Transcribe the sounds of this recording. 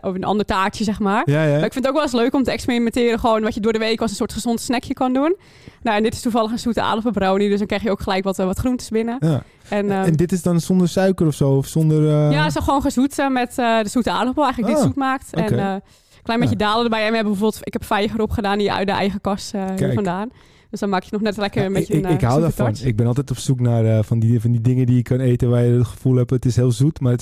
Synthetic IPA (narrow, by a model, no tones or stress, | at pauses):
ʔoənʔɔ̰ndərtaːsjəsɛxmaːrmaɪkfɪntowkʋɛlˠɪs̬løːkɔmtəɛksprimɛntɪəɾəxəʋoːnʋɔtjədʊːədəʋeːkɔsən̩soːɹtχəzontsnɛkʰjəkɔnduən | noɛndɪtɪ̥stufɑləxənsutəa̰ːdəpəbrownidøs̬dɔnkrɛjxjəowkχəlɛjkʋɔtʋɛlˠʋɔtχruntə̥sbɪnə | ɛnːɛndɪtɪsdɔnsondəsœɥkərɔfsoːɔfsondərjasoxʋoːnxəsutəmɛtədəsutəaːrdəolˠɛjŋnlədɪtsutmaːktɛ | klɛjnbeːjədaːlədərbɛjɛnmhɛbəbəfoːbəlˠtɪkhɛpfɛjχəɾɔpχədaːninjəœ̰ɥt̚dəʔɛ̰jɣəkɔsəfɔndaːn | døsdɔnmaːkjənɔxnɛtlɛkəəmbeəɪkɦaːwdafɔnɪɡ̚bɪnɔlˠt̬ɛjtɔpsuknarəfɔnifɔndidɪŋədiɪkkɑneːjtəʋajəətχə̥fulˠɦɛpətɪsɦɪːəlˠzutmat